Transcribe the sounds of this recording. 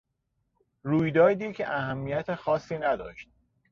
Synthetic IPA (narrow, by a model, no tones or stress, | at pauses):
ɾuːjd̪ɒːd̪iːcʰeʔæhæmːijæt̪ʰexɒːsːiːnæd̪ɒ̰ːʃt̪̚